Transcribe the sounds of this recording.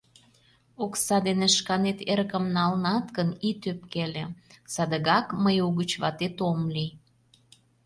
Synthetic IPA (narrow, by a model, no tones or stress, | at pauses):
oksɑd̪eneʃkɑnet̪erkəmnɑlnɑt̪kənit̪øp̚kelesɑd̪əɣɑkməjuɣət͡ɕβɑt̪et̪omli